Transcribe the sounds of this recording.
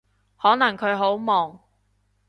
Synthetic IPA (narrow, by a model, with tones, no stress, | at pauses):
hɔː˨˥nɐ˨˩ŋkʰɵ˨˧ɥɦo˨˥wmɔː˨˩ŋ